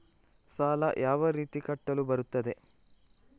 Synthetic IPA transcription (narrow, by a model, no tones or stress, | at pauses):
saːlɐjʔaːʋɐɾiːt̪ikɐʈːɐlubɐɾut̪ːɐd̪e̞